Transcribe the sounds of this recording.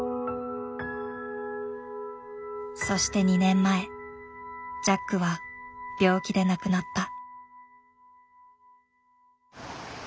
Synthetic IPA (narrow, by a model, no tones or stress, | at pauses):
so̞ɕi̥t̪e̞ɲ̟inẽ̞mːae̞ | d͡ʑakːɯ̟βab̥ʲo̞ːkʲid̪e̞nakɯ̟nat̪ːa